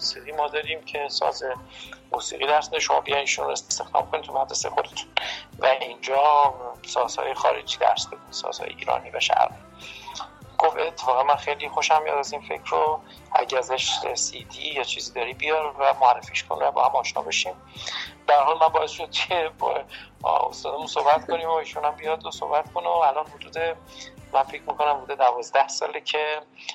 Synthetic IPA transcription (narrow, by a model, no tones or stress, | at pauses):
musiːɣiːmɒːd̪ɒːɾimcʰe̞sɒ̰ːzemuːsiːɣiːd̪æɾsbed̪eʃomɒ̰ːbijɒj̪iːʃuno̰est̪est̪exd̪ɒ̰ːmkʰonit̪ʰumæd̪ɾesejxod̪et̪ʰu̥nvæind͡ʒɒːsɒz̥hɒ̰ːjexɒ̰ːɾḛd͡ʒiːd̪æ̰ɾsb̥ed̪ud̪isɒ̰z̥hɒ̰ːjeḭːɾɒ̰ːniːvæʃæ̰ɾɣi | ɡ̥ofe̞t̪ʰːefɒːɣænmænxejlixoʃæmjɒ̰ːd̪æzinfe̞cʰɾo | æ̰ɟææzæʃɾesiːd̪ijɒt͡ʃʰiːzid̪ɒːɾibijɒɾvæmoærːefiʃkʰo̰nvæbɒ̰ːhæmɒːʃnɒ̰ːbeʃim | b̥ææɾɦɒːlmænbɒːesʃod̪̥̚cʰeb̰ | o̰st̪ɒːd̪æmunsohbæt̪kʰoniːmoiːʃuːnæmbijɒd̪osohbæt̪kʰonoælɒːnhod̪uːd̪e | mænfecʰmiko̞næmhod̪uːd̪ed̪ævɒːzd̪æhsɒ̰ːlecʰe